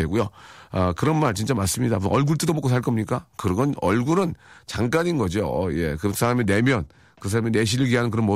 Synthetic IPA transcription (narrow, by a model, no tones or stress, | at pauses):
eɡujoʌkɯɾʌnmaɭt͡ɕint͡ɕ͈amas͈ɯmɲidapuʔʌɭɡuɭt͈ɯdomok͈osʰaɭk͈ʌmɲik͈akɯɡʌnʌɭɡuɾɯnt͡ɕaŋk͈aɲinɡʌd͡ʑioʌje̞kɯsʰaɾamine̞mjʌn | kɯs̬ʰaɾamene̞ɕ̬ʰiɾɯɡiɦanɯnk̬ɯɾʌnmo